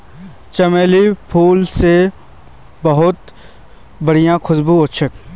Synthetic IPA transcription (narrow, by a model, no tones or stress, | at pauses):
t͡ʃɐmeːlipʰuːlse | bɐɦʊt̪ | bɐɽ̤ijãkʰʊsbuoʃʰək̚